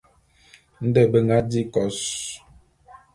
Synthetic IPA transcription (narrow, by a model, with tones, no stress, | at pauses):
n̩˦dɛ˦˨bə˨ŋɡa˦di˦kɔ˨s